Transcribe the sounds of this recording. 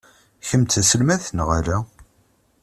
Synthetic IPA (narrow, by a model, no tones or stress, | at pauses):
çəmt̪æsəlmæθnʁaɾæ